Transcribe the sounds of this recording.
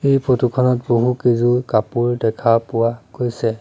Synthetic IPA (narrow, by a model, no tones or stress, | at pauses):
ejpotukʰɔnɔt̚boɦukezukapuɹdɛkʰapʊwaɡojsɛ